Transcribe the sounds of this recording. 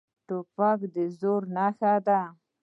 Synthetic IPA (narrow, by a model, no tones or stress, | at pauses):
ʈopakd̪əzoɾnaxad̪a